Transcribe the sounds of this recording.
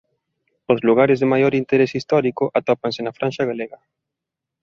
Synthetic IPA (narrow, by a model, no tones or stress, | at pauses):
ozluɣ̞aɾɪzðemajoɾint̪eɾesist̪ɔɾikʊʔat̪ɔpansɪnafɾanʃaɣaleɣɐ